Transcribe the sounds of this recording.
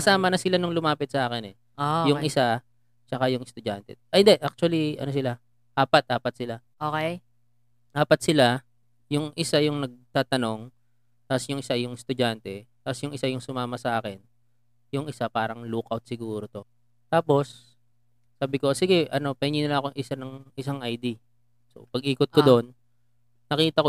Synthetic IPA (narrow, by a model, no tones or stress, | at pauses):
kɐsaːmɐnɐsɪlanʊŋlʊmaːpɪt̪̚sɐʔaːkɪnɛ | ojʊŋʔɪsa | t͡ʃɐkajʊŋɪst̪ʊd͡ʒa̰nt̪ɛ̰ʔɪnd̪ɛʔak̚t͡ʃʊwɐliʔɐ̰nos̬ɪla | ʔaːpɐt̪̚ʔaːpɐt̪̚sɪla | ʔoːkɛj | ʔaːpɐt̪̚sɪla | jʊŋʔɪsajʊŋnɐɡ̚t̪aːt̪ɐno̞ŋ | t̪asjʊŋʔɪsajʊŋst̪ʊd͡ʒant̪ɛt̪asjʊŋʔɪsajʊŋsʊmaːmɐsɐʔaːkɛn | jʊŋɪsapaːɾɐŋluːkʔɐwt̪̚sɪɡuːɾot̪o̞ | t̪aːpo̞sː | aːbɪko̞siɡɛʔɐno̞pɐhɪnɲiːnɐlaɐŋɐkoŋʔɪsanɐŋʔɪsaŋʔɐjd̪i | so̞̰pɐɡ̚ʔiːkot̪̚kod̪onː | ɐkiːt̪ɐko